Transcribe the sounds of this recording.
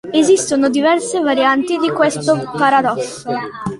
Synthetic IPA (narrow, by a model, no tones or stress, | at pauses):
ezist̪onod̪ivɛrsevaɾjant̪id̪ikwest̪opaɾad̪ɔs